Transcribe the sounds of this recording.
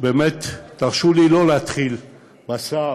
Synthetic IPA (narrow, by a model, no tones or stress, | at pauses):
beːmet̪ːaʁʃulilo̞leat̪χil | basa